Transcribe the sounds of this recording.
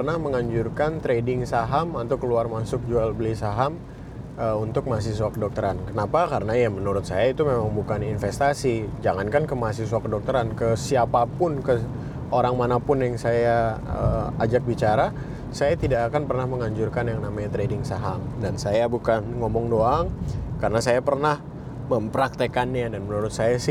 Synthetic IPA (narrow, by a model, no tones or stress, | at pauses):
ərnahməŋaɲd͡ʒurkant̪ɾedɪŋsaɦamat̪awkəluarmasʊk̚d͡ʒualbəlisaɦam | əunt̪ʊk̚mas̬is̬wakədɔk̚t̪əɾankənapakaɾənajamənuɾʊt̪̚sajait̪umemaŋbukaninfɛst̪asid͡ʒaŋankankəmasiswakədɔk̚t̪əɾankəsiapapʊnkə | ʔoɾaŋmanapʊnjaŋsajaə̰ad͡ʒak̚bit͡ʃaɾa | sajat̪idakakanpərnahməŋaɲd͡ʒʊrkanjaŋnamaɲat̪ɾedɪŋsaɦamdansajabukanŋomɔŋdoaŋkaɾənasajapərnah | məmpəɾak̚t̪əkanɲadanmənuɾʊt̪̚sajasɪ